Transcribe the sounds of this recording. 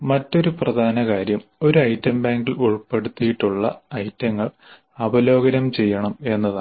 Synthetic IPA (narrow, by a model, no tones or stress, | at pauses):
mɐtːo̞ɾuprɐd̪ʱaːnɐkaːɾjɐmo̞ɾuɐjtːɐmbaːŋɡiluɭpːe̞ɽut̪ːijiʈːuɭːɐ̰ɐjtːɐŋːɐɭ | ɐbɐlo̞ːɡɐnɐmt͡ɕe̞jːɐɳɐme̞nːɐðaː